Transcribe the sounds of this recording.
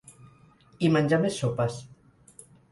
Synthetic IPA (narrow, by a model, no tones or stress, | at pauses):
imanʲd͡ʒamesːopas